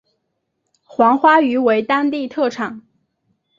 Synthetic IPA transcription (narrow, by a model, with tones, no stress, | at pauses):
xwɑ˧˥ŋxwa˥y˧˥we˧˥ɪt̪ɑ˥ŋt̪i˥˧t̪ʰɤ˥˩ʈ͡ʂʰɑ˨˩˦ŋ